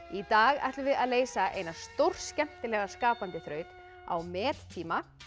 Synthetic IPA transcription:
it̪aːɣa̰ht̪lvɪðaðleːjsaḛːjnast̪owr̥scɛm̥t̪ɪlɛːɣaskaːpant̪ɪθɾœːɥt̪ | a̰wmɛːt̪t̪ʰiːma

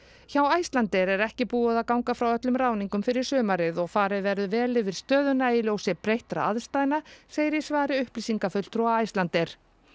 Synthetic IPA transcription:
çawaːjst̪lant̪ɛɾɛɾɛhcɪpuːaðaðkawŋkafɾawœt̪lʏmɾaːwniŋkʏmfɪɾɪɾ̥sœːmaɾɪðɔɣfaːɾɪðvɛɾðʏvɛːlɪvɪɾ̥st̪œːðʏnailjowsɪpɾejht̪ɾa̰a̰ðst̪aːjnaseːjɾɪsvaːɾɪʏhpliːsiŋkafʏlt̪ʰɾɔaaːjst̪lant̪ɛɾ̥

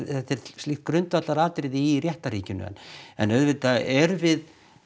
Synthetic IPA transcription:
θɛt̪ɛɾ̥st̪ɪht̪kɾʏnt̪vat̪laɾaːt̪ɾɪðɪirjɛht̪aɾiːcʏnʏ̰ɛ̰nɛ̰nœðvɪt̪aɛɾvɪð

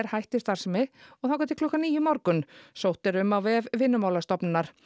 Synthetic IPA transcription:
ɛɾ̥hajht̪ɪ̥st̪aɾsmɪɔɣθawkat̪ɪlkʰlɔhkːaniːjʏmawɾkʏnsowht̪ɪɾʏmawvɛːvvɪnːʏmaːwlast̪ɔpnɪnːaɾ̥

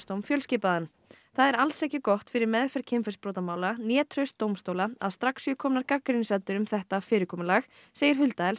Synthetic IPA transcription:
st̪owmfjœlscɪːpaðan | θaðɛɾalsɛhcɪkɔht̪fɪɾɪɾmɛðfɛɾ̥cʰɪmfɛspɾoːt̪amaːwlanjɛːt̪ʰɾœɥst̪ːowmst̪oːwlaa̰ðst̪ɾaksiːkʰɔmnaɾkakːɾɪnsɛlt̪ʏɾʏmθɛht̪afɪːɾɪɾkʰɔːmʏlax | seːjɪɾɦʏlt̪aɛls

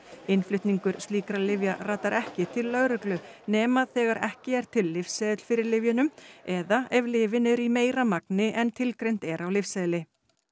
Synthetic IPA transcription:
ɪnflʏht̪niŋkʏɾ̥st̪iːkɾalɪvjaraːt̪aɾɛhcɪt̪ʰɪlːœɣɾʏklʏnɛːmaðθɛːɣaɾɛ̰hcɪɛɾ̥t̪ʰɪlːɪfsɛðɪt̪l̥fɪɾɪɾlɪvjʏnʏmɛðaɛvlɪːvɪnɛɾimeːjɾamaknɪʔɛnt̪ʰɪlkɾejn̥t̪ɛɾawlɪfsɛðlɪ

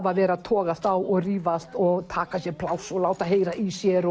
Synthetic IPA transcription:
vavɛːɾat̪ʰɔːɣast̪awɔɣriːvast̪ɔɣt̪ʰaːkasjɛɾpʰlaːwsɔlaːwt̪aɦeːjɾaʔisjɛɾɔ

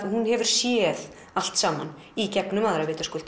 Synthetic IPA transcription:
hunhɛvʏɾ̥sjɛð | al̥t̪saːman | icɛknʏmaðɾavɪːt̪askʏːlt̪

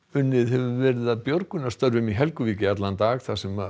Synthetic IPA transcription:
ʏnːɪðhɛvʏvɛːɾɪðaðpjoɾkʏnast̪œɾvʏmiɦɛlkʏviːcɪat̪lant̪aːɣθasɛma

